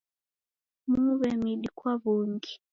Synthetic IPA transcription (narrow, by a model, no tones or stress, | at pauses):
muβɛmiɗikwaβuŋɡi